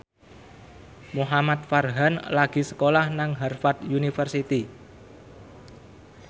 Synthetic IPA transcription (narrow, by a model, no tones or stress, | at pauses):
muɦamat̪̚farɦanlaɡ̥i̤sə̥kolahnaŋɦarfat̪junifərsit̪i